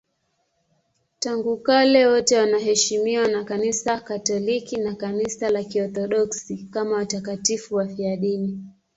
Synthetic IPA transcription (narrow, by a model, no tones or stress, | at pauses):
taŋɡukalɛwɔtɛwanaɦɛʃimiwanakanisakatɔlikinakanisalakiɔθɔɗɔksikamawatakatifuwafiaɗini